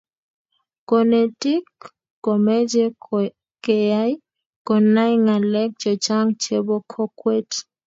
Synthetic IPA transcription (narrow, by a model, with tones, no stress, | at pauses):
ko˨ne˨ti˦kː | o˨mɛ˦d͡ʒe˦ | ke˨ja˦j | kɔ˨na˦jŋa˨lɛ˦k̚t͡ʃɔ˨t͡ʃa˦ŋt͡ʃe˦bo˦kʰɔ˦kwe˦t